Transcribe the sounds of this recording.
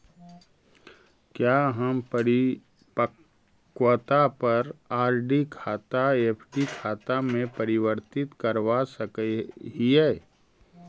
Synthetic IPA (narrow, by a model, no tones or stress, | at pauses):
kjaɦɐmpəɾɪ | pə | kwət̪apɐɾaːɾɖikʰaːt̪aeːpʰɖikʰaːt̪amẽpɐɾɪwəɾt̪ɪt̪kɐɾʋasɐkəɦiɛː